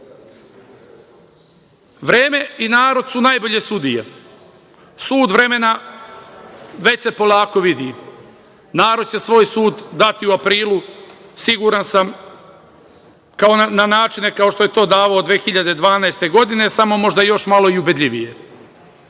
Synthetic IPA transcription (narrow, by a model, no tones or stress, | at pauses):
ʋɾeːme̞inaːɾo̞d̪sunajbo̞ʎe̞sud̪ijḛ | suːd̪ʋɾe̞me̞na | ʋe̞t͡ɕepo̞lˠaːko̞ʋid̪ḭ | naːɾo̞d̪̚t͡ɕe̞sʋo̞ːjsuːd̪ːat̪iuapɾiːlˠusiɡuːɾansam | kaonanaːt͡ʃine̞kao̞ʃt̪o̞je̞t̪o̞ːd̪aːʋaod̪ʋeːxiʎad̪ed̪ʋaːnajst̪e̞ɡo̞d̪ine̞samo̞mo̞ʒd̪ajo̞ʃmalo̞iubed̪ʎʲiʋije